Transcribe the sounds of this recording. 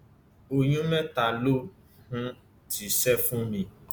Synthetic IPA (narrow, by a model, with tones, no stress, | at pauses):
o˨ɲ̃ũ˦mɛ̃˦ta˨lo˦ | hũ˦ | ti˨sɛ˦fũ˦mĩ˧